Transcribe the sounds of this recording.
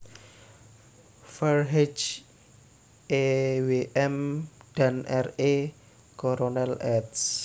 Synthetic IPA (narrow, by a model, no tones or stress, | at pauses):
fərɦet͡ʃ | eweʔɛmd̪̥a̤nʔɛre | koɾonɛlɛds